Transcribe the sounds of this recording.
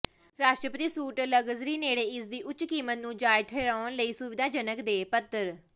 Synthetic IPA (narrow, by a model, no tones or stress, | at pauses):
ɾaːʃʈɾəpət̪iːsuːʈləɡəzɾiːneːɽeːɪsd̪iːʔʊt͡ʃkiːmət̪nũːd͡ʒaːɪt̪ʰeːɾaːnləiːsʊʋɪd̪ʱaːd͡ʒənəkd̪eːpət̪ːəɾ